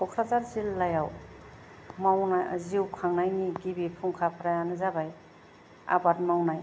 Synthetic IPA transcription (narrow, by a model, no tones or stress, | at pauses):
ɔkʰɾazaɾzilːajaw | mawnaj̰ziwkʰaŋnajniɡibipʰuŋkʰapʰɾajanɯzabaj | a̰bat̚mawnaj